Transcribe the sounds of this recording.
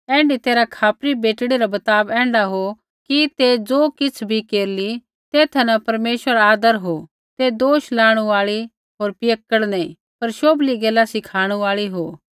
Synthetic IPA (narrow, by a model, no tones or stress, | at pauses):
ɛ̃ːɳɖit̪eːɾakʰaːpɾibeːʈɽiɾabɐt̪aːbɛ̃ːɳɖaɦo | kit̪ed͡zoːkɪt͡sʰbʱikeːɾli | t̪eːt̪ʰɛnɐpɐɾmeːʃwəɾaaːd̪əɾɦo | t̪ed̪oːʃlaːɽ̃ũaːɭi | ɦoːɾpɪəkːəɽnɛĩ | pɐɾʃoːbliɡeːlasɪkʰaːɽ̃uaːɭiɦoː